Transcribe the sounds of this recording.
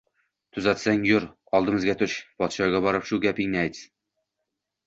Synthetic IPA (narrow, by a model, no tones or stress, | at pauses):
t̪ʰʊzat̪saŋjʊɾ | ɒlˠd̪ɨmɪzɡʲat̪ʰʊʃpɒt̪ʃɒɡʲabɒɾɪpʃʊɡʲapɪŋnɪajt̪s